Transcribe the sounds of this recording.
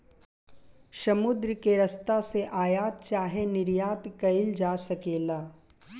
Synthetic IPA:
ʃɐmʊd̪ɾəkeɾɐst̪aseʔaːjaːt̪̚t͡ʃaːɦenɪɾjaːt̪kɐɪld͡ʒaːsɐkeːlaː

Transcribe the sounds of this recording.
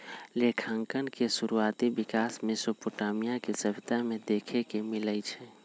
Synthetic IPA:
lekʰaŋkənkesuɾuat̪ibikasmesopoʈamijakesəbʱit̪amed̪ekʰekemiləjt͡ʃʰɛ

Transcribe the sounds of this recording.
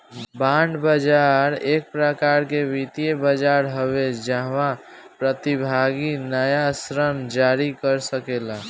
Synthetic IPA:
baɳɖbəd͡ʒaɾek̚pɾəkaɾkebit̪ijebəd͡ʒaɾɦəβed͡ʒəɦʋa | pɾət̪ibʱaɡinəjasɾənd͡ʒaɾikəɾsəkelã

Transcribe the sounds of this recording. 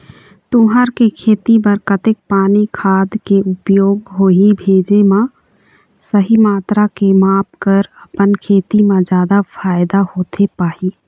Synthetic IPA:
t̪ʊɦaɾkekʰeːt̪ibəɾkət̪ek̚paːnikʰaːd̪keʊpjoːɡɦoːɦibʱeːd͡ʒemã | səɦimaːt̪ɾakemaːpkəɾəpənkʰeːt̪imẽd͡ʒjaːd̪apʰaːjd̪ahoːt̪ʰepaːɦi

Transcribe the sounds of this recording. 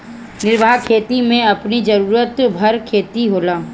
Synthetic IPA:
nɪɾbʱaːkʰeːt̪imẽɐpnid͡ʒɐɾuːɾət̪bʱɐɾkʰeːt̪iɦoːlaː

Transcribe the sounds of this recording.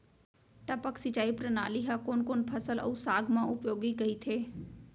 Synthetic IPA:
ʈəpəksɪt͡ʃaːipɾənaːliɦakoːnkoːnpʰəsələ̰usaːɡʱmãʔʊpjoːɡiɡɐit̪ʰeː

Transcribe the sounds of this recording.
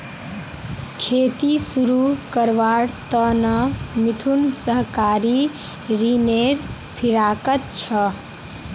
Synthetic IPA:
kʰet̪isuɾukəɾʋaɽt̪ənəmit̪ʰunsəɦkaɾi | ɾineɾ | pʰiɾakət̪̚t͡ʃʰə

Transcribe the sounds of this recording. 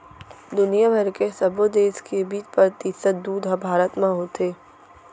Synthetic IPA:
d̪ʊnijabʱɐɾkesɐbod̪eːskebiːpɾɾt̪ɪsət̪̚d̪uːd̪ɦɐbʱaːɾət̪mãɦoːt̪ʰeː

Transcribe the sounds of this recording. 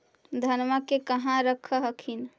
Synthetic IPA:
d̪ʱənməkekəɦãɾəkʰəɦəkʰin

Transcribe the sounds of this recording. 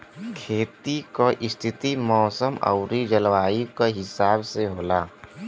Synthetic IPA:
kʰeːt̪ikoʔɪst̪ʰɪt̪imɔːsəmə̰ʊɾid͡ʒəlʋaːikoɦɪsaːbseɦoːlaː

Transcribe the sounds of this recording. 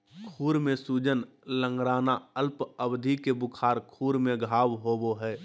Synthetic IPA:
kʰuːɾmẽsuːd͡ʒən | lə̃ŋɡɾaːnaəlpəbd̪ʱikebʊkʰaːɾkʰuːɾmẽɡʱaːwɦoːboɦɛː

